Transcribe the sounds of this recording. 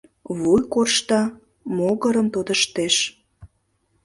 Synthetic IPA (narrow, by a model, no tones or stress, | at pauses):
βujkorʃt̪ɑ | moɣə̆ɾə̆mt̪od̪əʃt̪eʃ